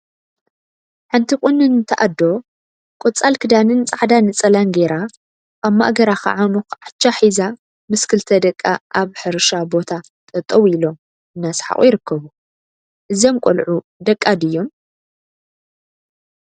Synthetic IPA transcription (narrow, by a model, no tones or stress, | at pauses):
ħant̪ʰikʼunːɨnɨt̪ʰɐʔad̪ːo̞ | kʼot͡sʼalkʰɨd̪anɨnt͡sʼaʕd̪anɨt͡sʼɐlanɡeɾa | kʼamːa̰ʔɡɐɾaxɐ̰ʕanuxʕat͡ʃːaħiza | mɨskʰɨlt̪ʰɐd̪ɐkʼːaʔaβħɨɾʃabo̞t̪ʰa | t̪ʼɐt̪ʼɐβilo̞m | ʔɨnːasħa̰χʼṵjɪɾɨkʰːɐβu | ʔɨziomkʷʼolʕu | d̪ɐkʼːad̪ɨjːo̞m